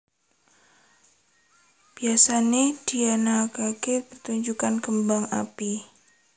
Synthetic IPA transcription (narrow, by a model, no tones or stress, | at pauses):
b̥iasaned̥ianakakɪpərt̪uɲd͡ʒukankəmbaŋa̰pi